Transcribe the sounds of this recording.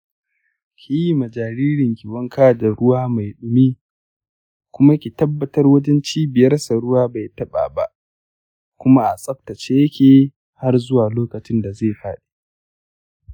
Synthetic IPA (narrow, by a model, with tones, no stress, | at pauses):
kʲʰi˦ji˦ma˨d͡ʒaː˨ɾiː˦ɾɪ˨ŋkʲɪ˨wɐ˦ŋkaː˦˨da˨ɾʊ˦waː˦ma˨jɗʊ˨mi˦ | kʷʊ˦ma˦kʲi˨tɐ˦bːɐ˦tɐ˦rwɐ˦d͡ʒɛ˦nt͡ʃiː˦bɪ˨jɐ˦rsa˨ɽʊ˦waː˦ba˨jtɐ˦ɓa̰ː˨ba̰˦ʔ | kʷʊ˦ma˦ʔa˨sʼɐ˦k̚tɐ˨t͡ʃeː˦jɐ˦kʲeː˨ | ha˦rzʊ˦waː˨loː˦kɐ˨t͡ʃɪ˦nda˨ze˦˨ɸa̰ː˦ɗe̥˦